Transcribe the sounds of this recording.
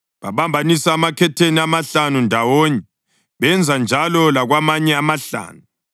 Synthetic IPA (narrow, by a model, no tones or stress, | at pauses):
βaβambʱanisaːmakʰɛtʰeniamaɬanundʱawoɲɛ | βɛnd͡zʱand͡ʒʱalɔlaɣwamaɲɛamaɬa̰ːnu